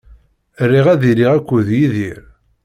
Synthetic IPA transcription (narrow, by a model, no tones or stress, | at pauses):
rːiʁæðiɾiʁækʷːuðjiðiɾ